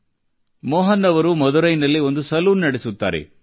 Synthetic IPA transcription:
mɔːɦɐnːɐʋɐɾumɐd̪uɾɐjnɐlːiond̪usɐluːnnɐɽesut̪ːa̰ːɾḛ

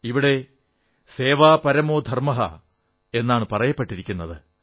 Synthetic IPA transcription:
iʋiɽe̞ | se̞ːʋaːpɐɾɐmo̞ːd̪ʱɐrmɐɦɐ̰ | e̞nːaːɳɨpɐrɐjɐpːeʈːiɾikʲːunːɐðɨ

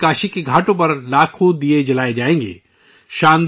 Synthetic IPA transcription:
kaːʃikeɡʱaːʈõp̬ɐɾlaːkʰud̪ied͡ʒɐlaːed͡ʒaːẽːŋɡḛː | ʃãːnd̪

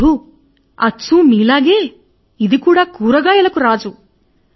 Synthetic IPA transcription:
u | ɐ̰t͡ʃːuːmiːlaːɡeː | id̪ikuːɽaːkuːɾɐɡaːjɐlɐkuɾaːd͡ʒu

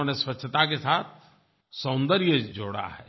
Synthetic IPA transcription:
oneswət͡ʃʰt̪akesaːt̪̚ʰ | sə̃ːnd̪əɾjəd͡ʒoːɽa̰ɦɛː

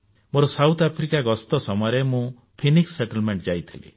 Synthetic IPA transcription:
moɾɔsawt̪ʰapʰɾikaɡɔst̪ɔsɔmɔjɾemũ | pʰiniksːeʈɔlmeɳʈd͡ʒajt̪ʰilḭ

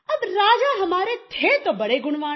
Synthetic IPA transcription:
əbɾaːd͡ʒaɦɐmaːɾet̪ʰet̪obəɽeɡʊɳʋaː

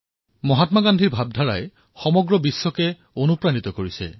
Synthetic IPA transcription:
mɔɦatmaɡandʱiɹbʱab̚dʱaɹaj | xɔmɔɡɹɔbisːɔkɛ | onupɹanit̪ɔkoɹisɛ̰

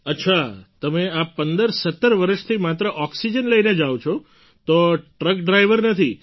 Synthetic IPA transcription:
ətːʃʰat̪əmeapːənd̪əɾsət̪ːəɾʋəɾəʃt̪ʰimat̪ɾəʔɔksid͡ʒənləjned͡ʒawt͡ʃʰo | t̪oʈɾəkɖɾajʋəɾnət̪ʰi

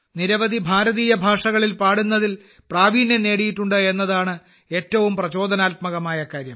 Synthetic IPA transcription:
niɾɐʋɐd̪ʱibʱaːɾɐðiːjɐbʱaːʂɐɣɐɭilpaːɽunːɐðil | praːʋiːnːene̞ːɽijiʈːuɳɖɨe̞nːɐðaːɳɨ | e̞ːtːɐʋumprɐt͡ɕo̞ːd̪ʱɐnaːlt̪mɐɣɐmaːjɐkaːɾjɐm

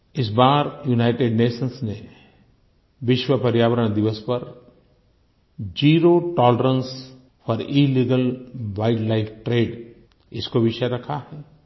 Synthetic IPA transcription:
ɪsbaːɾjuːnaːɪʈeɖneːʃənsne | ʋɪʃwəpɐɾjaːʋəɾəɽ̃d̪ɪʋəspɐɾ | d͡ʒiːɾoʈɔːləɾə̃ns | fɔɾiːliːɡəlʋaːɪʈlaɪfʰʈɾeːɖ | ɪskoʋɪʃəɾɐkʰahɛː

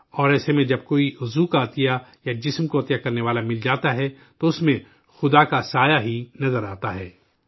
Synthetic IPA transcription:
ɔːɾɛːsemẽd͡ʒɐb̚koːiʊzukaɐt̪ijajad͡ʒɪsmkoɐt̪ijakɐɾneʋaːlamɪld͡ʒaːt̪aɦɛ | t̪oʊsmẽ | xʊd̪akasaːjaɦinɐzəɾaːt̪aɦɛː

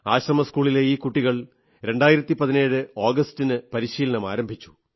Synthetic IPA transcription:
aːɕrɐmɐskuːɭile̞iːkːuʈːiɣɐɭ | ɾe̞ɳɖaːjiɾɐt̪ːipɐðine̞ːɻɨo̞ːɡɐstinɨpɐɾiɕiːlɐɳɐma̰ːɾɐmbʱit͡ɕːu̥

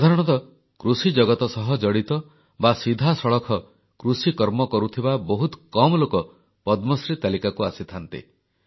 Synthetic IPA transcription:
sad̪ʱaɾɔɽ̃ɔt̪ɔ | kɾusid͡ʒɔɡɔt̪ɔsɔɦɔd͡ʒɔɽit̪ɔ | basid̪ʱasɔɭɔkʰɔ | kɾusikɔɾmɔkɔɾut̪ʰibabɔɦut̪kɔmɔlokɔ | pɔd̪mɔsɾit̪alikakuasit̪ʰant̪ḭ

